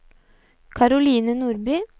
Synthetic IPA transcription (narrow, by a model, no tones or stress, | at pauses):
kʰɑɾʊliːnənuːɾbyː